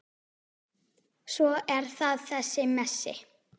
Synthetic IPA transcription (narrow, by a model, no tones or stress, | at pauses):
svɔɛɾ̥θaðθɛsːɪmɛsːɪ̰